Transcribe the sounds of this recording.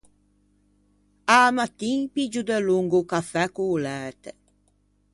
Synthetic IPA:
amat̪ːinpid͡ʒud̪ɛluŋɡukafɛkuːlɛɾt̪e

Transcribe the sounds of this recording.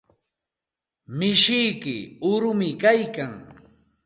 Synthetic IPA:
mɪʃɪjkɪʊɾʊmɪkajkaŋ

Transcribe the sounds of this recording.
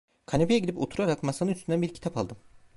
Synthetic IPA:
kʰanepʰejɛɟid̪ipo̞̰t̪ʰuɾaɾakmasanɯnyst̪ynd̪ænbiɾcʰi̥t̪ʰapalˠd̪ɯm

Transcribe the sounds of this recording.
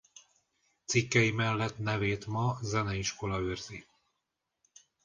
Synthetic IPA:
t̪sikːɛjimɛlːɛt̪nɛveːt̪mɒzɛnɛiʃko̞lɒøːrzi

